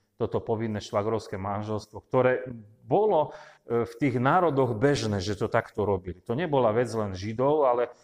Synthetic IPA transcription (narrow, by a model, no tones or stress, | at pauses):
t̪ɔt̪ɔpɔʋinːɛʃʋaɡɾɔʊskɛmanʒɛlst̪ʋɔkt̪ɔɾɛː | bɔlɔft̪iːɣnaːɾɔd̪ɔɣbɛʒnɛːʒɛt̪ɔt̪akt̪ɔɾɔbilit̪ɔɲɛbɔlaʋɛd͡zlɛnʒid̪ɔʊalɛ